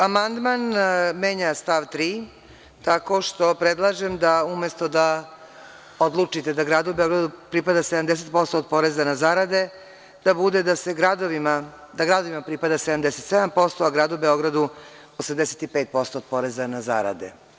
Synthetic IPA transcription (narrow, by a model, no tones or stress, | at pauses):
amand̪manmeɲast̪aʋt̪ɾiː | t̪ako̞ʃt̪o̞pɾed̪lˠaʒemd̪aumest̪od̪a | od̪lˠut͡ʂit̪ed̪aɡɾaːd̪ubeo̞ɡɾad̪upɾipad̪ased̪amd̪eset̪̚po̞st̪oːd̪̚po̞ɾezanazaɾad̪e̞ | d̪̥abud̪ed̪aseɡɾad̪oʋima | d̪aɡɾad̪oʋimapɾipad̪ased̪amd̪eset̪sɛd̪ampo̞st̪o̞aɡɾaːd̪ubeo̞ɡɾad̪u | osamd̪eset̪ipeːt̪̚po̞st̪oːd̪̚po̞ɾezanaza̰ɾa̰d̪ḛ